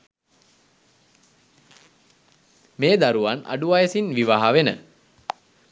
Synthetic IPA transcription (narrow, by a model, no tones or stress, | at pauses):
meːd̪aɾuʋanʔa̰ɖuʋajəsinʋiʋaɦaʋenə̰